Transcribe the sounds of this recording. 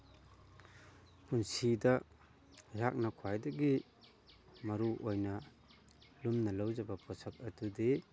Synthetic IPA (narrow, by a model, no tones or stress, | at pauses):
punsidɐ | ɾak̚nɐkʰwajdɐɡi | mɐɾuʔojnɐ | lumnɐlɐwd͡ʒɐbɐpʰɔsɐk̚ɐdude